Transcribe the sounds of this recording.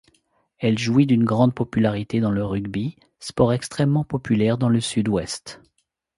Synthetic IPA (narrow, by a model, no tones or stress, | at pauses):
ɛlʒuid̪ynɡʁɑ̃d̪̚pɔpylaʁit̪ed̪ɑ̃ləʁyɡbi | spɔʁɛkst̪χɛmːɑ̃pɔpylɛʁd̪ɑ̃ləsyd̪wɛst̪